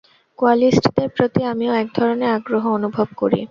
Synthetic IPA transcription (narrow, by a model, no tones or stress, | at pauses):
koalisʈd̪eɾpɾot̪iamioɛk̚d̪ʱɔɾoneaɡɾoɦoonubʱobko̰ɾḭ